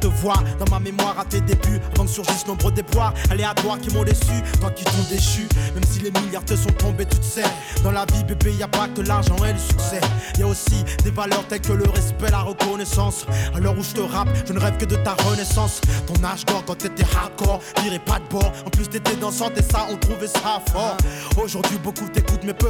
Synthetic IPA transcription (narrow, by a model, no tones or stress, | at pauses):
t̪əvwaʁd̪ɑ̃mamemwaʁat̪ed̪ebyavɑ̃ksyʁʒisnɔ̃bʁəd̪eplwaʁalead̪waʁkʲimɔ̃d̪esyt̪wak̪yt̪ɔ̃d̪eʃymɛmsilemiljaʁt̪esɔ̃t̪ɔ̃bet̪yt̪ə̥sɛ | d̪ɑ̃lavibebeiljapad̪əlaʁʒɑ̃ɛləsy̥ksɛiljaosid̪evalœʁt̪ɛlkələʁɛspɛlaʁəkɔnɛsɑ̃salɔʁuʒət̪əʁapʒənəʁɛvkəd̪ət̪aʁənɛsɑ̃st̪ɔ̃naʒɡɔʁkɑ̃t̪yet̪ɛhakɔʁd̪iʁɛpad̪̚bɔʁɑ̃plyst̪yet̪ɛd̪ɑ̃sɑ̃t̪ɛsaɔ̃t̪χuvɛsafɔʁoʒuʁd̪ɥibokut̪ekut̪mɛpø